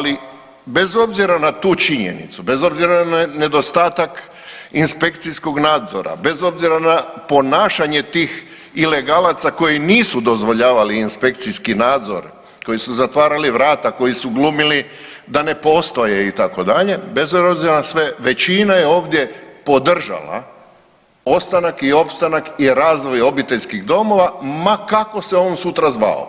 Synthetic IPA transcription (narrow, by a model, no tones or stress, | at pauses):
ali | be̞zo̞bziɾanat̪uːt͡ʃiɲḛnḭt̪sube̞zo̞bziɾanne̞d̪o̞st̪aːt̪ak | inspe̞kt̪sisko̞ɡnaːd̪zo̞̰ɾa̰be̞zo̞bziɾanapo̞naːʃaɲe̞t̪iːx | ile̞ɡalat̪sako̞jiniːsud̪o̞zʋo̞ʎaːʋaliːnspe̞k̚t̪siskinaːd̪zo̰ɾ | ko̞jisuzat̪ʋaːɾaliʋɾaːt̪ako̞jisuɡlumili | d̪ane̞po̞st̪o̞jeit̪ako̞d̪aʎe̞bezoobziɾasʋe̞ʋe̞t͡ɕinaje̞o̞ːʋd̪je̞po̞d̪r̩ʒa̰la̰ | ost̪anakio̞pst̪anakiɾaːzʋo̞jo̞bit̪e̞ʎʲskiɣd̪o̞mo̞ʋamakako̞se̞onsut̪ɾazʋa̰o̰